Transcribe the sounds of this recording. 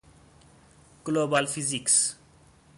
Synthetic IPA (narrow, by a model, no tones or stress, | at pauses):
ɡ̥lobalfiziks